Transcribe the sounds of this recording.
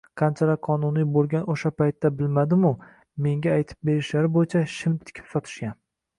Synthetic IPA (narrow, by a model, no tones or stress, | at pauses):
qʰɑnt͡ʃʰaɾaqʰɒnʊnijbolˠɡʲanoʃapajt̪ːabɪlmad̪ɪmʊ | me̞ŋʲaːjt̪ʰɪ̥p̚be̞ɾɪʃlaɾɪbojɪt͡ʃʰaʃɪmt̪ʰɪ̥kʲʰɪ̥psɒt̪ʰɪ̥ʃkʲan